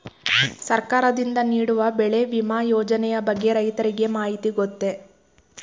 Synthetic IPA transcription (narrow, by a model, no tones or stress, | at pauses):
sɐɾkaːɾɐd̪ind̪ɐniːɽuʋɐbɛɭe̞ʋimaːjoːd͡ʒɐnɛjɐbɐɡːe̞ɾɐjt̪ɐɾiɡe̞maːɦit̪iɡot̪ːe̞